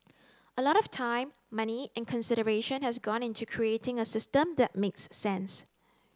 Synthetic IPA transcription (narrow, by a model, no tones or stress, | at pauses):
əlɔɾɔftʰãɪ̃mːaniɛ̃nkʰə̃nsɪɾəɹeʃə̃nhɛsɡɔ̃nɪ̃ntukʰɹietɪ̃ŋəsɪstə̃md̪ɛt̚meksːɛ̃ns